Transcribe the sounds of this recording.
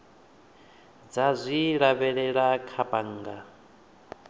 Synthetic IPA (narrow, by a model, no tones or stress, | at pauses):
d͡zazʷiɺaβɛɺɛɺakʰapʼaŋːɡa